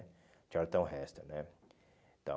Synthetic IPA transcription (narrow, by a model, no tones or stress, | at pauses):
t͡ʃaɾt̪ɐ̃w̃ɦɛst̪ɐnɛ | t̪ɐ̰̃